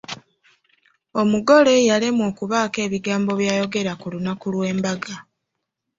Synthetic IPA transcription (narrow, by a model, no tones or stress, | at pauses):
o̞muɡo̞le̞jalemwo̞ːkuβaːke̞ːβiɡaːmbo̞βjaːjo̞ɡe̞ɾakulunakulwe̞ːmbaɡa